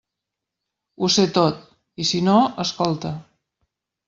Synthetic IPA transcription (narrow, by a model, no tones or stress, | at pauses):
uset̪ot̪̚ | isinoəskɔlˠt̪ə